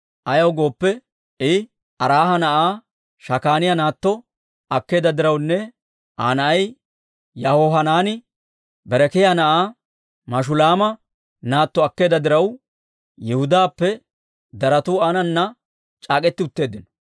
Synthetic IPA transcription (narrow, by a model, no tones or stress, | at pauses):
ʔɐjɐwɡo̞ːpːɛ | ɪ | ɐɾaːɦɐnɐʔaː | ʃɐkaːnɪjɐnaːt̪ːɔ | ɐkːe̞ːd̪ɐd̪ɪɾɐwnːɛ | ʔaːnɐɐj | jɐhoːɦɐnaːnɪ | bɛɾɛkɛjanɐʔaː | mɐʃ̬ʊlaːmɐ | naːt̪ːɔɐkːe̞ːd̪ɐd̪ɪɾɐw | jɛhʊd̪aːpːɛ | d̪ɐɾɐt̪uanɐnːɐ | t͡ʃʼaːkʼɛt̪ːɪʊt̪ːe̞ːd̪ɪnɔ̥